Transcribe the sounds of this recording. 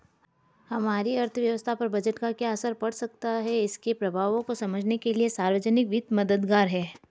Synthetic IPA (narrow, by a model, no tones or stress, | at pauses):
hɐmaːɾiɐɾt̪ʰʋjɐʋəst̪ʰapɐɾbɐd͡ʒəʈkakjaɐsəɾpɐɽsɐk̚t̪aɦɛɪskepɾɐbʱaːʋõkosɐməd͡ʒʱnekeliesaːɾʋəd͡ʒənɪkʋɪt̪mɐd̪əd̪ɡaːɾɦɛː